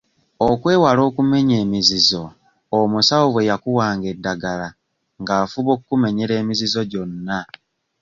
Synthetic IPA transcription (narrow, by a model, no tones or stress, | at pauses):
okwe̞ːwalo̞ːkume̞ɲe̞ːmizizo̞ː | musawoβwe̞jakuwaːŋɡe̞dːaɡala | ŋɡaːfuβo̞kkːume̞ɲeɾe̞ːmizizo̞ɟo̞nːa